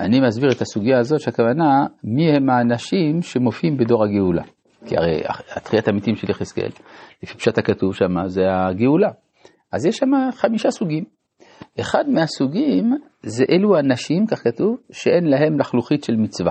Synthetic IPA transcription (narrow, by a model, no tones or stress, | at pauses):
animazbiʁethasuɡijaːzo̞tʃeakavanamihe̞maːnaʃimʃe̞mo̞fiimbedo̞ʁhaɡeula̰ | kḭa̰ʁḛja̰a̰t̪χiatamitimʃeliχeskḛllefipʃatakatuvʃamazeaɡeula | ʔazjeʃːamaχamiʃasuɡim | ʔe̞χadmeasuɡim | ze̞ʔeluanaʃimkaχkatuvʃeʔe̞nlaɦe̞mlaχluχitʃe̞lmit͡sva